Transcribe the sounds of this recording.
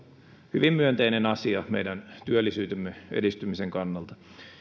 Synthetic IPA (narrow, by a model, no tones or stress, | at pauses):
hyʋimmyønt̪einenɑsiɑmeijdænt̪yølːisyːt̪ømːeḛdist̪ymiseŋkɑnːɑlt̪ɑ